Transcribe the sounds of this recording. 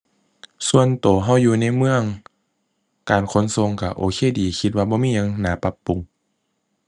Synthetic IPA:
su˧ənt̪oː˨˩ɦa˧˥˩wjuː˧na˧˥˨jmɯ˧˨əŋ | kaː˨nkʰo˧˥˨nso˧˨ŋka˧˩ʔoː˨˩kʰeː˧˨diː˨˩kʰi˧t̪̚waː˧bɔː˧miː˧˥˨ɲa˧˥ŋnaː˨˦pa˧˦pːu˨˩ŋ

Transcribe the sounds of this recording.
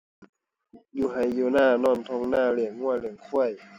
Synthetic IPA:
juː˧˩ɦa˨˩jːuː˧naː˧˩˨nɔː˧˥˩nt̪ʰo˧ŋnaaː˥˩˨li˨˩əŋːu˧˥˩əli˨˩əŋkʰu˧˥˩əj

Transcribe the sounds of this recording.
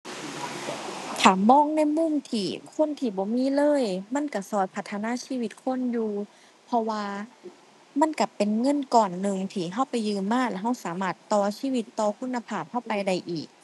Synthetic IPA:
t̪ʰaː˨˩mɔː˧˥˨ŋna˧˥˨jmu˧˥˨mt̪ʰiː˧˩kʰo˧˥˨nt̪ʰiː˧˩bɔː˨˦miː˧˥˨lɤː˧˥˨jma˧˥˨nka˧˩sɔː˧˩jpʰa˧t̪ʰːa˧naː˧˥˨siː˧˩˨wi˧t̪̚kʰo˧˥˨njuː˧ | pʰɔ˧waː˧ | ma˧˥˨nka˧˩pe˨nŋɤ˧˥˨nkɔː˨˩nːɯ˨˧ŋt̪ʰiː˧˩ɦa˧˥˩wpa˨jːɯː˧mːaː˧˥˨lɛ˧˩ɦa˧˩wsaː˨˦maː˧˩t̪ːɔː˧siː˧˥˨wi˧˦t̪ːɔː˧kʰu˧˥˨nːa˧pʰaː˧˩p̚ha˧˥˩wpa˧jda˧˩jʔiː˨˩k̚

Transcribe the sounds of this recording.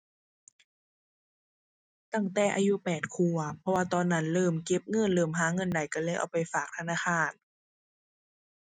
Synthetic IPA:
t̪a˧˩ŋt̪ɛː˨˩ʔa̰ː˧ju˧˥pɛː˨˩t̪̚kʰu˧˩ɐpʰɔ˧waː˧t̪ɔː˧˩nːa˦˥nlɤː˧˩mke˧˦˥p̚ŋɤ˧˥˨nlɤː˧˩mɦaː˧˥˦ŋɤ˧˥˨nda˨˩jkɔː˧˩lɤː˧˩˨jʔa̰˨˩wpa˨jfaː˨˩k̚t̪ʰa˧naː˧˥˩xʰaː˧˩n

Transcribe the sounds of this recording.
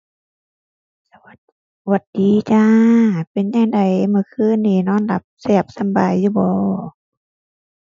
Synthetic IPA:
sa˧wa˧˩t̪̚ | wa˧˩t̪̚diː˨t͡ɕaː˧pe˨nɲaː˧˨ŋda˨˩jmɯ˧˩˦kʰɯː˧˥˨nːiː˧˩nɔː˧˥˨nla˧˩p̚sɛː˧˩p̚sa˧˥˨mbaː˨jːuː˧˩bɔː˧

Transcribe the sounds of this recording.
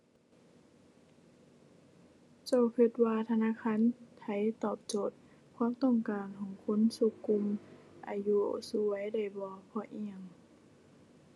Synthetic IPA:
t͡ɕa˧˩wkʰɯ˧˩t̪̚waː˧t̪ʰa˧naː˧˥˨kʰaː˧˥˨nt̪ʰa˧˩jt̪ɔː˧˨˩p̚t͡ɕoː˨˩t̪̚ | kʰwaː˧˥˨mt̪ɔ˧˩˨ŋkaː˨˩nkʰɔː˨˩ŋkʰo˧˥˨nsu˧˨kːu˧˨m | ʔa̰ː˨˩ju˧˨su˧a˨˦jda˧˩jbɔː˧pʰɔ˧˩ʔi˧˩əŋ

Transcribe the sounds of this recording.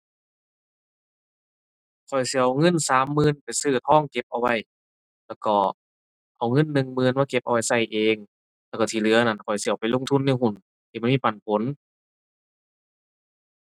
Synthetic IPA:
kʰɔ˨˩jsi˧˦˨a˧ŋɤ˧˥˨nsaː˨˦mːɯː˧˥˨npa˨jsɯː˧˩t̪̚hɔː˧˥˨ŋke˧˦p̚ʔa˧wa˧˩j | lɛː˧˩wkɔː˧˩ | ʔa˨˩wŋɤ˧˥˨nːɯ˧ŋmɯː˧˥˨nwaː˧˩ke˧p̚ʔa˧wa˧jsa˧˩jʔeː˧ŋ | lɛː˧˩kɔ˧˩t̪ʰiː˧˩lɯ˧˦ɐ˧na˧˩nkʰɔ˨˩jsi˧˩˨wpa˨jlo˧˨ŋt̪ʰu˧˥˨nːa˧˨hu˧˩n | t̪ʰiː˧˩ɔ˧˨miː˧˥˩pa˨˩npʰo˨˧˦n

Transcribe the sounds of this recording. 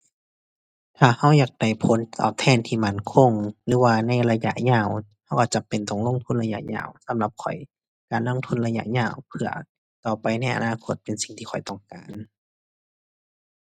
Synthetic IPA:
t̪ʰaː˧˩ha˧˥˩wjaː˨˩k̚da˧˩jpʰo˨˦nt̪ɔ̰ː˧˨˩p̚t̪ʰɛː˧˩˨nt̪ʰiː˧˩ma˧˩˨nkʰo˧˥˨ŋlɯː˧˦waː˧na˧˥˩jla˧ja̰˧˨ʔɲaː˧˩wha˧˩wka˧˩t͡ɕa˨˧˩pe˨nt̪ɔ˧˨˩ŋlo˧˥˨ŋt̪ʰu˧˥˨nla˧ja̰˧˨ʔɲa̰ː˧˩˨wsa˧˦mla˧˦p̚kʰɔ˨˩j | kaː˨nlo˧˥˨ŋt̪ʰu˧˥˨nla˧ja̰˧˨ʔɲaː˧˩˨wpʰɯ˧˩ɐ | t̪ɔː˨˩pa˨jna˧˩jʔa̰˨˧naː˧˨kʰo˧˥t̪̚pe˨nsi˨˩ŋt̪ʰiː˧xʰɔ˨˩jt̪ɔ˧˩ŋkaː˨n

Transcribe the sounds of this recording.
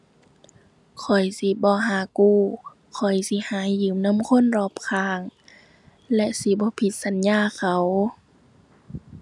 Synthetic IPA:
kʰɔ˨˩jsi˧˦bɔː˧˦ɦaː˨˦kuː˧˩ | kʰɔ˨˩jsi˧˦haː˨˦jɯː˨˦mna˧˥˨mkʰo˧˥˨nɾɔː˧˩p̚kʰaː˧˩ŋ | lɛ˧ʔsi˧˦bɔː˧˦pʰi˧˦t̪̚sa˨˦njaː˧˥˨kʰa˧˩w

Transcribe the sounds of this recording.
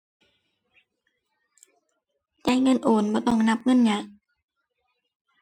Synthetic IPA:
t͡ɕaː˧˥˨jŋɤ˧˥˨nʔoː˨˩˦nbɔː˧˦t̪ɔ˧˩ŋna˧˥p̚ŋɤ˧˥˨nɲaː˧˦

